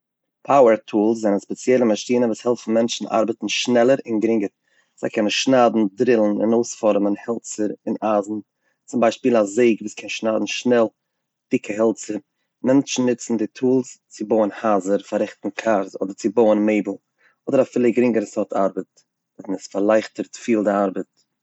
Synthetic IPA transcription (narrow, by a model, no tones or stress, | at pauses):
pʰaʊəɾtʰuːlˠs̬zɛnənspɛt͡sjɛlˠəmaʃtiːnəvuːshɛlˠfn̩mɛnt͡ʃn̩a̰ɾbətn̩ʃnɛlˠəɾɪnɡɾɪŋɡəɾ | z̥aɪkʰɛnənʃnaːdn̩dɾɪlˠn̩ɪ̰noʊsfɔɾmənhɛlˠt͡səɾɪnaːzn̩ | t͡sʊmbaɪʃpiːlˠazeɪɡviːskʰɛnʃnaːdn̩ʃnɛlˠ | d̥ɪkʰəɦɛlˠt͡səɾ | mɛnt͡ʃn̩nɪt͡sn̩dɪtʰuːlˠst͡sɪboʊənhaːzəɾfaɾɪχtn̩kʰaɾzɔ̰dəɾt͡sɪboʊənmeɪbl̩ˠ | ɔdəɾafɪːlˠəɡɾɪŋɡəɾsɔtʰaɾbət̚ | dɔznɪsfaɾlˠaɪχtəɾtfiːlˠdɪaɾbət